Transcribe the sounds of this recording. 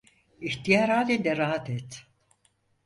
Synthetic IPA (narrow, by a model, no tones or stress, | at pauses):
içt̪ijaɾhaːlʲind̪ɛɾaːɦat̪ʰɛt̪